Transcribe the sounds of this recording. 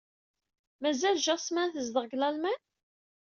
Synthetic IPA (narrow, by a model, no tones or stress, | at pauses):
mæzælʒɑsmænθəzd̪əʁɡlælmæn